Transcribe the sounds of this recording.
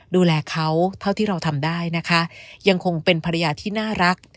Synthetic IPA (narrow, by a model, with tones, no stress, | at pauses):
duː˧lɛː˧kʰa˦˥wt̪ʰa˥˩t̪ʰiː˥˩ɾa˧wt̪ʰa˧mdaː˥˩jna˦˥kʰa˦˥ja˧ŋkʰo˧ŋpe˧npʰa˧ɾa˧jaː˧t̪ʰiː˥˩naː˥˩ɾa˦˥k̚